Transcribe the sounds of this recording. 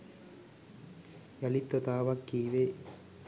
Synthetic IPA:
jɐlit̪ːɐt̪aːʋɐkːiːʋe

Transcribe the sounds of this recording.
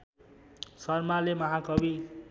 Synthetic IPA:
sʌrmalemʌɦakʌbi

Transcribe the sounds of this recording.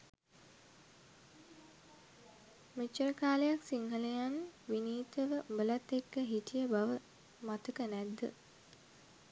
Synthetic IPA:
met͡ʃːəɾəkaːlejaksiŋɦəlejanʋiniːt̪əʋəbəlat̪ːekːəɦiʈijəbaʋə | mat̪əkənæd̪ːə̰

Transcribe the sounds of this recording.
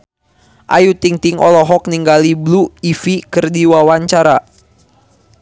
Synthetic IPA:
ʔajut̪iŋt̪iŋʔɔ̰lɔɦɔk̚niŋɡalibluifikɨrdiwawaɲt͡ʃaɾa

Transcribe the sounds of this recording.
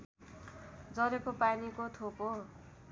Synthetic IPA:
d͡zʌɾekopanikot̪ʰoko

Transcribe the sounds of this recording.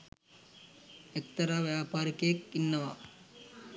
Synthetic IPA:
ek̚t̪ɐɾaʋjaːpaːɾikɐjekːinːɐʋa

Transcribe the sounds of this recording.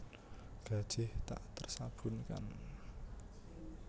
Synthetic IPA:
ɡ̥a̤d̥ʒ̥ɪht̪a̰ʔt̪ərsab̥ʊ̤nka̰n

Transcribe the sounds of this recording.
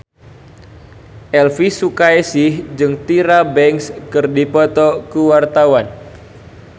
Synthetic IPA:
ʔɛlfisukajsɪhd͡ʒɨŋt̪iɾabɛŋskɨrdipɔt̪ɔkəwart̪awan

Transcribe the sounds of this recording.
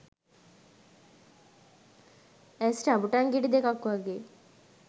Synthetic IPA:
æsʈabuʈaŋɡiɖid̪ekakʋaɡeː

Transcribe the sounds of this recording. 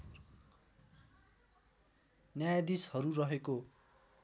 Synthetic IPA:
njajad̪ishʌɾurʌɦeko

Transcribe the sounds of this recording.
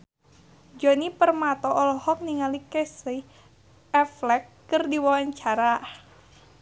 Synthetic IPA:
d͡ʒɔnipərmat̪ɔʔɔlɔhɔk̚niŋalikesə | ɛflɛkːɨrdiwawaɲt͡ʃaɾa

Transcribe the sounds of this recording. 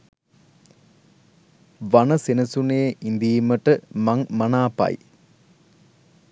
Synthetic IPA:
ʋanəsenɐsuneːʔind̪iːməʈəmaŋmɐnaːpɐ̰j

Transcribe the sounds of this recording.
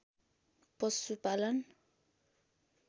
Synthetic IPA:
pʌsupalʌn

